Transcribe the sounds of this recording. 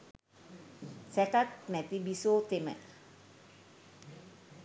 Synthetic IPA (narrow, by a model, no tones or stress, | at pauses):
sɛkat̪̚mɛt̪ibisot̪emɛ̰